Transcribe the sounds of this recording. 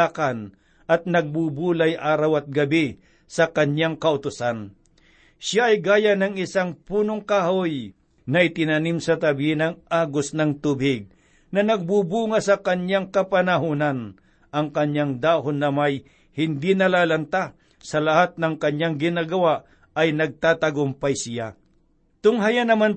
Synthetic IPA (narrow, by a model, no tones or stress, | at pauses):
akan | ʔɐt̪̚nɐɡ̚bubuːlajʔaːɾawɐt̪̚ɡɐbɪ | sɐkɐɲjaŋkɐʔʊt̪ʊsan | ʃaʔɐjɡaːjanɐŋɪsaŋpuːnoŋkahoj | nɐʔɪt̪ɪnɐnimsɐt̪ɐbinɐŋʔaːɡosnɐŋt̪ʊbɪɡ̚ | nɐnɐɡ̚bubuːŋɐsɐkɐɲjaŋkɐpɐnɐɦuːnɐn | ʔɐŋkɐɲjaŋd̪aːɦonːɐmaj | hɪnd̪inɐlaːlɐnt̪a | sɐlɐhat̪̚nɐŋkɐɲjaŋɡɪnaːɡɐwaʔ | ɐjnɐɡ̚t̪aːt̪ɐɡʊmpajsɪja | t̪ʊŋɦajanɐman